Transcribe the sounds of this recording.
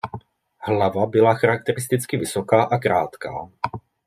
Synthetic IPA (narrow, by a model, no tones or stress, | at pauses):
hlavabɪlaxaɾak̚t̪ɛɾɪst̪ɪt͡skɪvɪsokaːʔakɾaːt̪ka̰ː